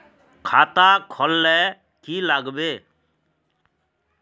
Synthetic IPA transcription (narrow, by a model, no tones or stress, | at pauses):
kʰat̪akʰɔlːɛ | kilaɡbe